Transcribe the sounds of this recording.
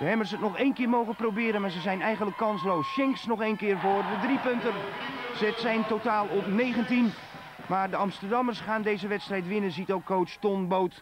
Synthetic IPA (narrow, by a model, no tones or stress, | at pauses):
d̥əɦɛmərs̬ətnɔxejnkɪːrmowɣəprobɪːɾənmaːɹzəzɛjnɛjɣəndləkʰːɑnslowsʃɛŋsnɔxeːnkɪːrvoːrʋədripøntənsətsɛjntotaːlˠɔpneːɣəntin | maːrdəɑmstərdɑmərsχaːndeːjzəʋɛtstrɛjtʋɪnənzitowkʰːowstɔnbowt